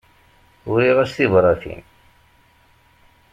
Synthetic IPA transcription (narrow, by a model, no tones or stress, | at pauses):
ʊɾiʁæsθivɾˤɑθḭn